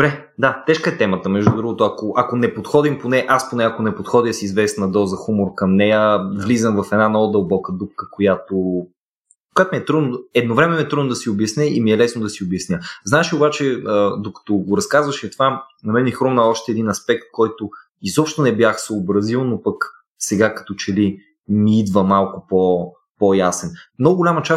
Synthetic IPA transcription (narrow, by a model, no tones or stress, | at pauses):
d̪obɾɛ | d̪at̪ɛʃkəɛt̪ɛmət̪əmɛʒd̪ud̪ɾuɡot̪ʊɐkoʔɐkonɛpot̪xɔd̪imponɛʔasponɛɐkonɛpot̪xɔd̪iəsizvɛsnɐd̪ɔzəxumoɾkɐmnɛjəvlizəmvɐfɛd̪nanɔd̪ɐlˠbɔkəd̪up̚kəkojat̪o | kojat̪omiɛt̪ɾud̪noɛd̪novɾɛmɛmiɛt̪ɾud̪nod̪ɐsiobjɐsnɛʔḭmiɛlɛsnod̪ɐsiobjɐsnʲəznaɛʃiobat͡ʃɛəd̪okə̥t̪oɡoɾɐskazvɐʃit̪vanɐmɛnixɾomnəɔʃt̪ɛɛːd̪inɐspɛk̚t̪̚kɔjt̪o | izɔpʃt̪ʊnɛbjaxsoːbɾɐzilˠnopək | sɛɡakɐ̥t̪ot͡ʃɛli | miid̪vəmalˠkʊpo | pojasɛnmnɔɡʊɡolʲamət͡ʃa